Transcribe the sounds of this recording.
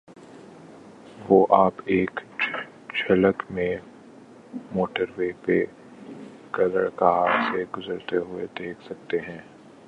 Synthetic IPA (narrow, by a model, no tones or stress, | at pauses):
ʋoːʔaːpeːk | t͡ʃʰɐləkmẽ | moːʈəɾʋeːpe | kɐləɽkaɦaːt̪seɡʊzəɾt̪eɦʊed̪eːkʰsɐk̚t̪eɦɛ̃ː